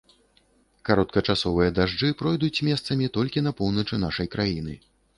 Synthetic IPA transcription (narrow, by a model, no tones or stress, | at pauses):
kaɾɔt̪̚kɐt͡ʂasɔvɨjɐd̪aʐd͡ʐɨpɾɔjd̪ut͡sʲmʲɛst̪sɐmʲit̪ɔlʲkʲinɐpɔwnɐt͡ʂɨn̪aʂɐjkɾajin̪ɨ